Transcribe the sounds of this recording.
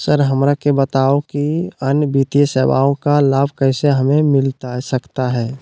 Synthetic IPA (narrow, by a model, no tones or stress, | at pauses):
səɾɦəmɾakebət̪aokiənjbit̪ijəseːwa̰ːõkalaːbʱkəɪseɦəmẽmɪlt̪asəkt̪aɦɛː